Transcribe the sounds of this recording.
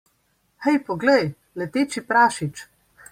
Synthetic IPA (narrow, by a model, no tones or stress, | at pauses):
xɛjpɔɡləj | lɛt̪eːt͡ʃipɾaːʃit͡ʃ